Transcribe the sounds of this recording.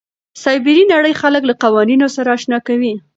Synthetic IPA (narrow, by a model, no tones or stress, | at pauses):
sɑjbɪɾinaɽəjxaləklaqawɑninosaɾaːʃnɑkawi